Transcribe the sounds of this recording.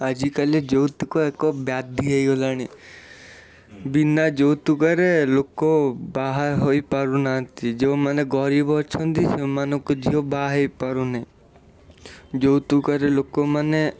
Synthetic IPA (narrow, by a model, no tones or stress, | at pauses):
ad͡ʒikaled͡ʒowt̪ikoekɔbjad̪ʱiɦejɡolañi | binːad͡ʒowt̪ukəɾelokobaɦaɦoipaɾunat̪id͡ʒeõmaneɡɔɾibɔɔt͡ʃʰɔnt̪isemanɔ̃kod͡ʒiobaɦeipaɾunaĩ | d͡ʒowt̪ukəɾelokomane